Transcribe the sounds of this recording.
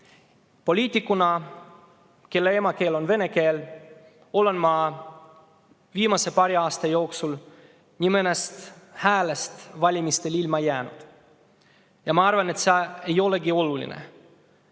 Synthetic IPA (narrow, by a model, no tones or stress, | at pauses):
po̞lʲiːt̪ʲːˑikːˑunɑ | ke̞lːeemɑke̞ːlo̞nve̞ne̞ke̞ːl | o̞le̞nmɑ | viːmɑse̞pɑɾiɑːst̪ɑjo̞ːksul | nʲimenest̪hæːlest̪vɑlʲimist̪e̞lilmɑjæːnṵd̪̥ | jɑmɑɑrvɑne̞t̪sɑe̞jo̞leɡio̞lulʲḭnḛ